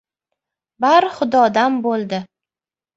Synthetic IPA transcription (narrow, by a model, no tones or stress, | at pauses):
baɾχʊd̪ɒd̪anbolˠd̪ɪ